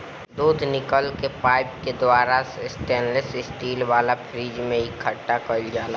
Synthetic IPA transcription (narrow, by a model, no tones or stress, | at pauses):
d̪uːd̪ʱnɪkəlkepaːɪp̚ked̪waːɾassʈeːnlesɪsʈiːlʋaːlapʰɾiːd͡ʒmẽɪkʰəʈːakəld͡ʒaːla